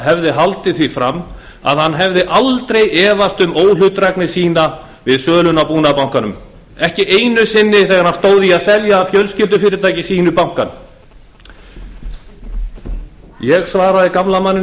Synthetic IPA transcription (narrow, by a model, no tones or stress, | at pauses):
ɦɛvðɪɦalt̪ɪθifɾamː | a̰ðhanːɦɛvðɪʔalt̪ɾejɛːvast̪ʏmoːwlʏt̪ɾɛknɪsiːna | vɪðsœːlʏnapuːnapawŋ̥kanʏm | ɛhcɪʔejnʏsɪnːɪθɛːɣaɾ̥hanst̪oːwðɪiaðsɛljaːfjœlscɪlt̪̬ʏfɪːɾɪt̪ʰaːjcɪsiːnʏpawŋ̥kan | jɛɣsvaːɾaðɪkamlamanːɪ